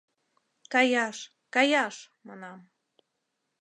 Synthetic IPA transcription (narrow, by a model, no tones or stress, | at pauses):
kɑjɑʃ | kɑjɑʃ | mɑnɑm